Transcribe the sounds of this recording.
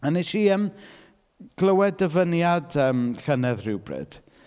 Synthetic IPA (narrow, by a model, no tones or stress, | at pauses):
aniʃiːəm | ɡ̥lˠəwɛdəvənjadəːmɬənɛðrɪwbrɨ̰d̥